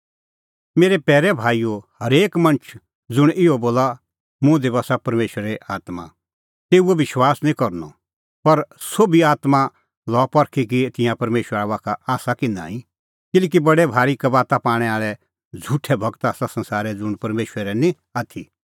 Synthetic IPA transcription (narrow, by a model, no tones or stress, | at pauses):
meːɾɛpɛːɾɛbʱaːijohɐɾeːkmɐ̃nt͡ʃʰ | d͡zʊɽ̃ʔɪɔboːla | mʊ̃d̪ɪbaːsapɐɾmeːʃəɾɾɛʔaːt̪ma̰ | t̪eːuɛʋɪʃwaːsnĩkɐɾnɔ | pɐɾsoːbʱiaːt̪mã | lɔpɐɾkʰikit̪ɪ̃jãpɐɾmeːʃwəɾaʋaːkʰaaːsakɪnã̰ːĩ | kɪlɛːk̬ibɐɽɛbʱaːɾikɐbaːt̪apaːɽ̃ɛaːɭɛ | d͡zʱuʈʰɛbʱɐɡt̪aːsasɐ̃nsaːɾɛd͡zʊɽ̃pɐɾmeːʃɾɾɛnĩ | aːt̪ʰi